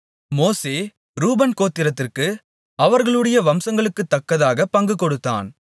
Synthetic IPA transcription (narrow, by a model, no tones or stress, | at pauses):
moːseː | ɾuːbɐnkoːt̪ːɪɾɐt̪ːɪrkɯ | ɐʋɐɾɣɐɭɯɽɐjɐʋɐmsɐŋɡɐɭɯkːɯt̪ːɐkːɐðaːɣɐpɐŋɡɯkːɔɽɯt̪ːa̰ːn